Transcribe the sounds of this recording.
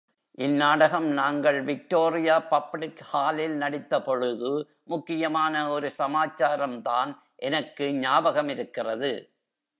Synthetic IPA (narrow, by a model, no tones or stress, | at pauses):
ʔɪnːaːɽɐɣɐmnaːŋɡɐɭʋɪk̚ʈoːrɪjaːpɐpːɭɪkhaːlɪlnɐɽɪt̪ːɐpɔɻɯðɯ | mʊkːɪjɐmaːnɐɔɾɯsɐmaːt͡ʃːaːɾɐmt̪aːn | ʔɛnɐkːɯɲaːbɐɣɐmɪɾɯkːɪrɐðɯ